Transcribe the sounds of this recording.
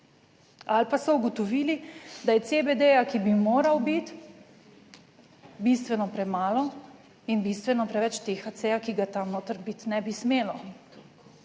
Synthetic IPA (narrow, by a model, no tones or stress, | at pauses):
alpasɔuɡɔt̪ɔʋiːlid̪ajɛsebed̪ejakibimoːɾawbit̪ | bist̪ʋɛnɔpɾɛmaːlɔ | inbist̪ʋɛnɔpɾɛʋɛt͡ʃt̪eːxat̪sejakiɡat̪anoːt̪əɾbit̪nɛbismeːlɔ